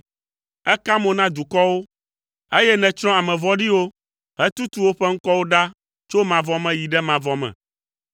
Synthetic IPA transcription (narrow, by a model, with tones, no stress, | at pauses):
ɛ˦ka˦mõ˨nã˦d̪u˨kɔ˦wo˦ | e˦jɛ˦nɛ̃˨t͡ʃɾ̃ɔ̃˦a˨mɛ̃˨vɔ˦ɖi˦wo˦ | ɦɛ˦t̪u˦t̪u˦wo˦ɸɛ˦ŋ̩˦kɔ˦wo˦ɖa˦ | t͡ʃo˦mã˨vɔ˦mɛ̃˨ji˨ɖɛ˦mã˨vɔ˦mɛ̰̃˨